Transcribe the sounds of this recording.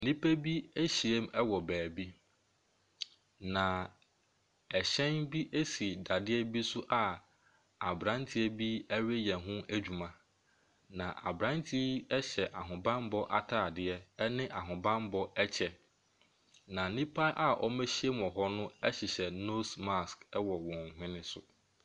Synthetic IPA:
nĩ˦pʰæ˦bi˦e˦ɕi˨e˦mɛ˦wɔ˨bæː˨bi˦ | nã˨ | ɛ˨ɕɛ̃˦nbi˦ʔe˦si˨da˨dɪ˦ɛ˦bi˦sʊ˦ʔa˨ | a˨bɾã˦ntʰɪ˦ɛ˦bi˦æ˦ɥe˦jɛ̃˨ɦʊ̃˦æ˦d͡ʑᶣu˨mã˨ | nã˨ʔa̰˨bɾã˦ntʰi˦ɛ˦ɕɛ˨ʔa˨ɦʊ̃˨bã˦mbɔ˦ʔa̰˦tʰaː˦˨dɪ˦ɛ˦nɪ̃˦ʔa˨ɦʊ̃˨bã˦mbɔ˦ɛ˦t͡ɕʰɛ˨ | nã˨nĩ˦pʰa˦ʔa˦˨ʔɔ˦mæ˦ɕi˦ɛ˦m˨ɔ̃˨ɦɔ˦nʊ̃˦ɛ˦ɕɪ˨ɕɛ˨no˦sma˦skɛ˦wɔ˨wɔ̃˨ŋ˨ɦɪ̃˦nɪ̃˦sʊ̰˦

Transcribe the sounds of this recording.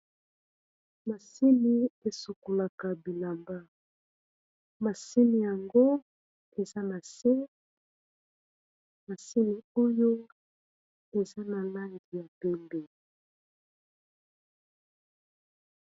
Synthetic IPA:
ma˨si˦mi˨e˨su˨ko˨la˨ka˨bi˨la˨mba˦ | ma˨si˦mi˨ja˨ŋɡo˦ | e˨za˦na˨se˦ | ma˨si˦mi˨o˦jo˦ | e˨za˦na˨la˦ŋɡi˨ja˨pe˦mbe˨

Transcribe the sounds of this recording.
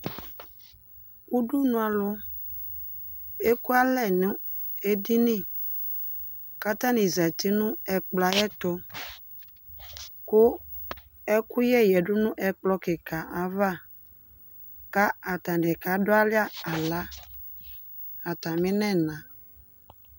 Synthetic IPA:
ku˦ɖu˦nũ˦a˨lʊ˦ | e˦ku˦a˦lɛ˦˨nʊ̃˦ | e˦di˦nĩ˦˨ | ka˦t̪ã˦nĩ˨zɛ˨t̪i˦nũ˦ɛ˨k͡pla˨˦jɛ˦t̪ʊ˦ | kʊ˦ | ɛ˦ku˦jɛ˦jɛ˨ɖʊ˦nũ˦ʔɛ˨k͡plɔ˦kɪ˨ka˨ʔa˨va˦ | ka˦a˨t̪a˨dɛ˨ka˨˦dʊ˦a˦lɪ˦a˦a˨la˨˦ | a˨t̪ã˨mɪ̃˦nɛ̃˦˨nã˨

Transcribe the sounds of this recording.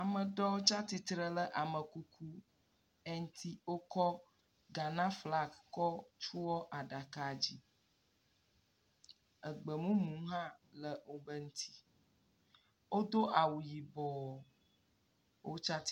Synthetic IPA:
a˨mə̃˨ɖɔ˦wo˦t͡ʃa˦t̪i˨t̪ɾə˨lə˦ʔa˨mə˨ku˦kʰu˦ | ɛ˦ŋ˦t̪ʰi˦wo˦kɔ˦ | ɡa˨nã˦fla˦kkɔ˦t͡ʃu˦wɔ˦ʔa˨ɖa˨ka˨d͡ʑi˦ | ə˨ɡ͡bə˨mũ˦mũ˨˦ɦã˦lə˦ŋũ˦bə˦ŋũ˦t̪ʰi̥˦ | wo˦d̪o˦ʔa˨wu˨ji˨bɔ˨ | wʔo˦t͡ʃa˦t̪

